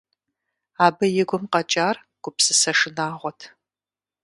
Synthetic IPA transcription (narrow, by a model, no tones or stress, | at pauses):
aːbɐjɪɡʷʊmqɐt͡ʃʼaːr | ɡ̥ʷʊpsɨsɐʂɨnaːʁʷɔtʰ